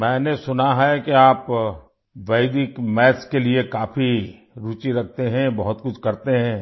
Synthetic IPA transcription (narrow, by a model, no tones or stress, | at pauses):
mɛ̃ːnesʊnaɦɛkeaːp | ʋɐɪd̪ɪkmɛːskeliekaːfʰi | ɾuːt͡ʃiɾɐk̚ʰt̪eɦɛ̃bɐɦʊt̪kʊt͡ʃʰkɐɾt̪eɦɛ̃ː